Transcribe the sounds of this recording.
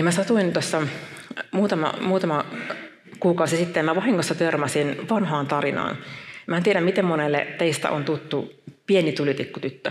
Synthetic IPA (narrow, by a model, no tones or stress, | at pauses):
ɑmæsɑt̪uint̪osːɑ | muːt̪ɑmɑ̰muːt̪ɑmɑ | kuːkɑˑusisit̪ːemæʋɑhiŋːosːɑt̪ørmæsinʋɑnɦɑːnt̪ɑrinɑ̰ːnmæːnt̪ieɾæmit̪emmonelːḛt̪eist̪æ̰ʔo̰nt̪ut̪ːupienit̪ulit̪ikːut̪yt̪ːø